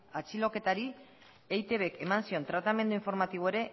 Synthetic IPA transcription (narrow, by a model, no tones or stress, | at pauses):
at͡silo̞ke̞t̪aɾi | ejt̪e̞βe̞ke̞mansio̞nt̪ɾat̪ame̞nd̪uiɱfo̞ɾmat̪iβ̞oe̞ɾe̞